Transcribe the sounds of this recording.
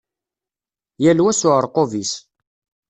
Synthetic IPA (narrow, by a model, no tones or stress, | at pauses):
jælwæsʊʕəɾˤqovis